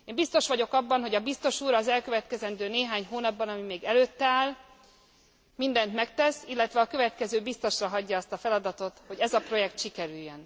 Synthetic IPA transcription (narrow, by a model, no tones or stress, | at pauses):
eːmbist̪o̞ʃʋɒɟo̞kɒbːɒnɦo̞ɟɒbist̪o̞ʃuːɾɒzɛlkøvɛt̪kɛzɛnd̪øːneːɦaːɲɦoːnɒbːɒnɒmimeːɡɛløːt̪ːaːl | mind̪ɛnt̪mɛkt̪ɛsilːɛt̪ʋɛɒkø̞vɛt̪kɛzøːbist̪o̞ʃrɒɦɒɟːɒːst̪ɒfɛlɒd̪ɒt̪o̞t̪ho̞ɟɛzɒpro̞jɛkt̪ʃikɛɾyjːøn